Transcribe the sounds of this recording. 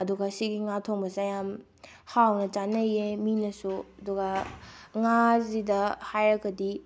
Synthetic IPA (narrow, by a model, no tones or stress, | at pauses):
ɐduɡɐsiɡiŋatʰoŋbɐzajam | hawnɐt͡ʃanɐjeminɐsuɐduɡɐŋazidɐhajɾɐɡɐdi